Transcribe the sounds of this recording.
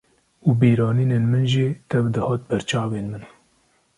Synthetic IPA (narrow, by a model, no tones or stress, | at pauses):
uːbiːɾɑːniːneːnmɨnʒiːt̪ʰɛvd̪ɨhɑːt̪̚bɛɾt͡ʃʰɑːveːnmɨn